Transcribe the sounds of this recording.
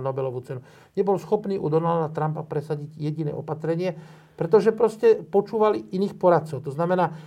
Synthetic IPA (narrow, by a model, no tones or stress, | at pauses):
nɔbɛlɔʋut͡sɛnu | ɲɛbɔlsxɔpniːʔud̪ɔnald̪at̪ɾampapɾɛsaɟiɟjɛɟinɛ̰ːʔɔpat̪ɾɛɲɪɛ | pɾɛt̪ɔʒɛpɾɔscɛpɔt͡ʃuːʋaliʔiniːxpɔɾat̪̚t͡sɔʊt̪ɔznamɛnaː